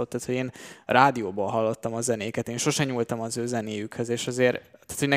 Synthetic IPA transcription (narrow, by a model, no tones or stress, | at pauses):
ot̪ːaːt̪ho̞ɟeːnraːd̪ijoːboːlɦɒlːot̪ːɒmɒzɛneːkɛt̪eːnʃo̞ʃɛɲult̪ɒmɒzøːzɛneːjykhøzeːʃɒzeːɾt̪æːt̪honɛ